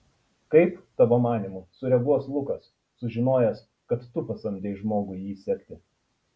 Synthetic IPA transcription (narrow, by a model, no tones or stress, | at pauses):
kɐɪpt̪ɐʋoːmɑːnʲiˑmʊsʊɾʲɛɡuɔslˠʊkɐsː | ʊʒʲɪnoːjɛs | kɐt̪ːʊpɐsɐmʲd̪ʲɛɪʒmoːɡʊjiːsʲɛkʲt̪ʲɪ